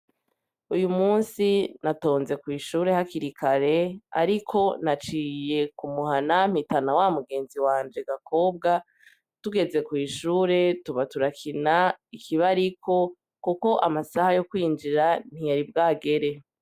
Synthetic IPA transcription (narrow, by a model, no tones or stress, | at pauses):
ujumuːnsinato̞ːnze̞kwiːʃuːɾe̞hakiɾikʰaɾe̞a̰ɾikʰo̞nat͡ʃiːje̞kumuhanam̥hitanawamuɡe̞ːnziwaːnd͡ʒe̞ɡakʰo̞ːb̚ɡa | tuɡe̞ze̞kwiːʃuːɾe̞tuβatuɾakʰinaikʰiβaɾikʰo̞ | kuko̞ʔamasahajo̞kwiːnd͡ʒiɾan̥ijaɾibɡaːɡe̞ɾe̞